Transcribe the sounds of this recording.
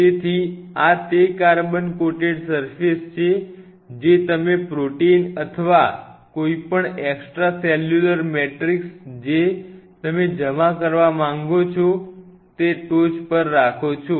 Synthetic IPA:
tet̪ʰiat̪ekaɾbənkoʈeɖsəɾfist͡ʃʰe | d͡ʒet̪əmepɾoʈeinət̪ʰəʋakoipəɳeksʈɾasɛljuləɾmeʈɾiksd͡ʒet̪əmed͡ʒəmakəɾʋamãŋɡot͡ʃʰo | t̪eʈod͡ʒpəɾːakʰot͡ʃʰo

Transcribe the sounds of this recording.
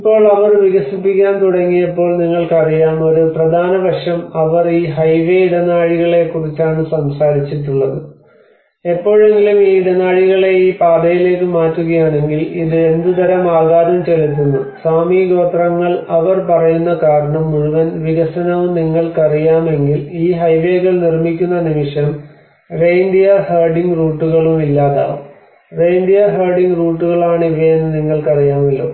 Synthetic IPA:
ipːo̞ːɭɐʋɐrʋiɣɐsipːikʲːaːnt̪uɽɐŋːijɐpːo̞ːɭniŋːɐɭkɐrijaːmo̞ɾuprɐd̪ʱaːnɐʋɐʂjɐmɐʋɐriːɦɐjʋeiɽɐnaːɻiɣɐɭe̞kːurit͡ɕːaːɳɨsɐmsaːɾit͡ɕːiʈːuɭːɐðɨ | e̞pːo̞ːɻe̞ŋɡilumiːiɽɐnaːɻiɣɐɭe̞iːpaːd̪ɐjile̞ːkːɨmaːtːuɣɐjaːɳe̞ŋɡiliðɨe̞nd̪ɨt̪ɐɾɐmaːɣaːɾumt͡ɕe̞lut̪ːunːusaːmiɡo̞ːt̪rɐŋːɐɭɐʋɐrpɐrɐjunːɐkaːɾɐɳɐmːuɻuʋɐnʋiɣɐsɐnɐʋumniŋːɐɭkɐrijaːme̞ŋɡiliːɦɐjʋe̞ːɣɐɭnirmikʲːunːɐnimiʂɐm | rejnd̪ijɐheːɖiŋɡruːʈːuɣɐɭumilːaːða̰ːu | rejnd̪ijɐɦeːɖiŋɡruːʈːuɣɐɭaːɳiʋejenːɨniŋːɐɭkɐrijaːmilːo̰ː

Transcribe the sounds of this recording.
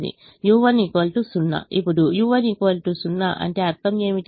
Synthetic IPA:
d̪ḭ | juːʋɐnikoːlʈusunːa̰ipːuɽujuːʋɐnikoːlʈusunːaʔɐ̰ɳʈe̞ːɐɾt̪ʰɐme̞ːmit̪

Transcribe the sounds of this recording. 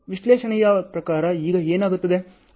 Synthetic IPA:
ʋiʃleːʃɐnɛjɐpɾɐkaːɾɐiːɡɐeːnaːɡut̪ːɐd̪e̞

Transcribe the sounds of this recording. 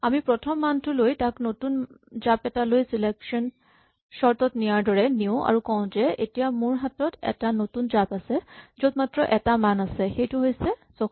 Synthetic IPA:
amipɹɔtʰɔmːantʊlojtaknotunzapɛtalojsilɛksɔn | sɔɹtɔtnijaɹdɔɹɛniʊ̃ʔa̰ɹukɔʊ̃zɛḛtijamʊɹɦatɔtɛ̰tanotunzapasɛzotmatɹɔʔɛtamanasɛxejtʊɦojsɛsɔ

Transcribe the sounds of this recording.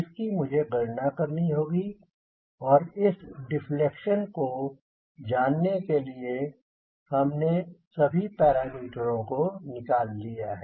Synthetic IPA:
ɪskimʊd͡ʒʱeɡɐɾnakɐɾniɦoːɡi | ɔːɾɪsɖɪflekʃənko | d͡ʒaːnːekelie | hɐmnesɐbʱipɛːɾaːmiːʈəɾõkonɪkaːlːijaɦɛː

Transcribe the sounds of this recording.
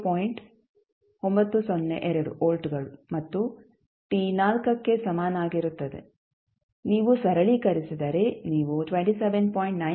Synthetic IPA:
poːjiɳʈ | ombɐt̪ːusonːḛʔɛɾɐɽṵʔoːlʈɡɐɭumɐt̪ːu | ʈiːnaːlkɐkːe̞sɐmaːnaːɡiɾut̪ːɐd̪ḛ | niːʋusɐɾɐɭikɐɾisid̪ɐɾeniːʋuʈʋeɳʈiseʋenpoːjɳʈnɐ

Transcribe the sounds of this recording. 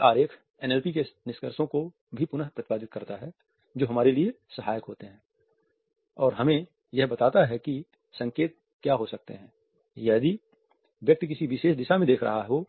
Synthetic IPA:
aːɾeːkʰ | ɛːnɛlpikenɪʃkəɾsõko | bʱipʊnəɦpɾɐt̪ɪpaːd̪ɪt̪̚kɐɾt̪aɦɛ | d͡ʒoːɦɐmaːɾelie | sɐɦaːjəkɦoːt̪eɦɛ̃ː | ɔːɾɦɐmẽ | jɛɦbɐt̪aːt̪aɦɛki | sɐ̃ŋkeːt̪̚ | kjaɦosɐk̚t̪ḛɦɛ̃ː | jɛːd̪i | ʋjɐk̚t̪k̬ɪsiʋɪʃeːʃd̪ɪʃamẽd̪eːkʰɾɐ̰ɦaɦɛoː

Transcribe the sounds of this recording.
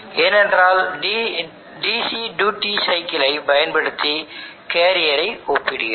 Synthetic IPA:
ɛnɛndraːlɖ | ɖiːsiɖuːʈːisɐɪkːɪlɐɪbɐjɐnbɐɽɯt̪ːikeːɾɪjɐɾɐɪɔpːɪɽɯɣɐ

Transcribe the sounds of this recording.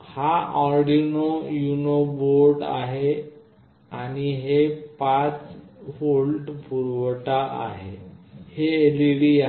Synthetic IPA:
haʔɔɾɖinojunoboɾɖa̰ɦe | añiɦepat͡sholʈpuɾʋʈaʔa̰ɦḛheeleɽia

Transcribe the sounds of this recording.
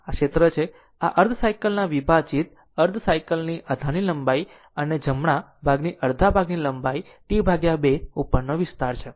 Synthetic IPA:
akʃet̪ɾət͡ʃʰe | aʔəɾd̪ʱəsajkəlnaʋibʱad͡ʒit̪̚ | əɾd̪ʱəsajkəlniʔad̪ʱaniləmbai | əned͡ʒəmɳ̃a | bʱaɡniʔəɾd̪ʱabʱaɡniləmbai | ʈibʱaɡjabeupːəɾnoʋɪst̪aɾt͡ʃʰe

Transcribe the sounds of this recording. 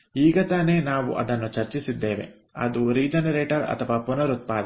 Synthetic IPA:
iːɡɐt̪aːne̞ːnaːʋṵʔɐ̰d̪ɐnːut͡ʃɐɾt͡ʃisid̪ːeːʋḛ | ɐ̰d̪uɾiːd͡ʒɐnɐɾeːʈɐɾɐ̰t̪ʰɐʋaːpunɐɾut̪̚paːd̪ɐ

